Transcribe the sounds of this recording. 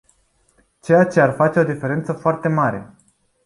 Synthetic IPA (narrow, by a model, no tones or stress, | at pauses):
t͡ʃe̞jat͡ʃe̞arfat͡ʃe̞o̞d̪ife̞ɾe̞nt̪səfoart̪e̞maɾe̞̰